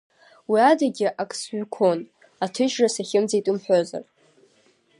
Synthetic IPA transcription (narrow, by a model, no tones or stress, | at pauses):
wiadaɡʲɪʔakʼsɥʷkʷʰo̞n | atʰɨʒrasaχʲɪmd͡zejtʼɨmħʷᶣoza̰r